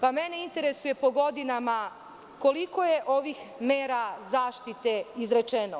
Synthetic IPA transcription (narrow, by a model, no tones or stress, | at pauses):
pamene̞int̪e̞ɾesuje̞po̞ɡo̞d̪inama | ko̞liko̞jeʔo̞ʋixmeːɾazaːʃt̪it̪e̞izɾet͡ʃeno